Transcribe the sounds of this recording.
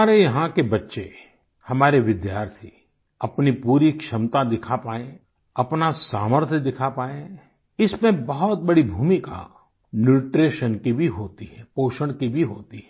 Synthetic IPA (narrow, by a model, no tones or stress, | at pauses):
aːɾejɐɦãkebɐtːʃe | hɐmaːɾeʋɪd̪jaːɾt̪ʰi | ɐpnipuːɾikʃɐmt̪ad̪ɪkʰapaːẽ | ɐpnasaːməɾt̪ʰjəd̪ɪkʰapaːẽ | ɪsmẽbɐɦɔt̪̚bɐɽibʱuːmika̰ | nuːʈɾeːʃənkibʱiɦoːt̪iɦɛːpoːʃəɽ̃kibʱiɦoːt̪iɦɛ